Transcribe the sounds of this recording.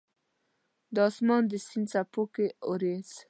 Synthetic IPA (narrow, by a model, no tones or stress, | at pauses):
d̪ɑsmɑnd̪əsinsapokeoɾez